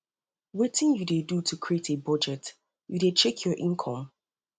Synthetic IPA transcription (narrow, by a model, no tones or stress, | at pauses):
wetʰɪ̃njudedutʰukʰɹietʰebɔd͡ʒɛt | judet͡ʃɛkʰjɔɹʔĩnkʰɔ̃m